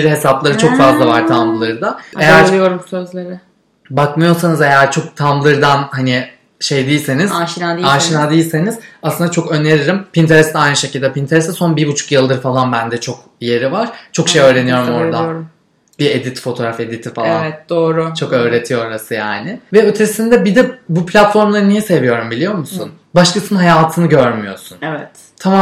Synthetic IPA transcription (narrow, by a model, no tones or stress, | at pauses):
biɾhesaplˠaɾɯt͡ʃʰo̞kfazlˠavaɾt̪ʰamllˠɯɾd̪aejæɾlˠijoɾumsøzlʲeɾɪ | bakmɯjo̞ɾsanɯze̞jæɾt͡ʃʰo̞k̚t̪ʰamlˠɯɾd̪anhanɪ | ʃe̞jd̪ijːlʲsenizaʃinad̪iaːʃinad̪ijilʲse̞niz̥aslˠɯnd̪at͡ʃʰokø̞ne̞ɾiɾimpʰint̪ʰeɾɛst̪ɛajnɯʃe̞cʰilʲd̪ɛpint̪ʰeɾɛst̪ɛso̞nbibut͡ʃʰu̥kjɯlˠɯɾfalˠanbænd̪ɛt͡ʃʰo̞k̚ | je̞ɾivaɾ̥t͡ʃʰo̞kʃejø̞ːɾe̞nijo̞ɾummo̞ɾd̪a | bied̪it̪ʰfo̞t̪ʰo̞ɾafe̞d̪it̪ʰifalˠaɛt̪̚d̪oːɾʊt͡ʃʰo̞kø̞ːɾe̞t̪ʰijooɾasɯjaːnɪvɛøt̪ʰesind̪ɛbid̪ɛbupʰlʲat̪fo̞ɾmlˠaɾɯnijɛse̞vijo̞ɾumbilʲijo̞ɾmusun | baʃlˠɯsɯnɦajaːt̪ʰɯnɯɟøɾmyjo̞̰sunevɛt̪ | t̪ʰama